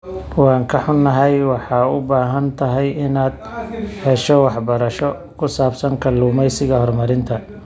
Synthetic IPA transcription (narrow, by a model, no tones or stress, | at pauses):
wɑːŋkʰɐħʊnːɐɦɛjwɑħɑːʊbaːɦɐnt̪ʰɐɦɛjɪnaːd̪̚ | hɛʃɔwɑħbɐɾɐʃɔ | kʰʊsaːbsɐŋkʰɐluːmɛjsɪɣɐhɔrmɐɾɪnt̪ʰɐ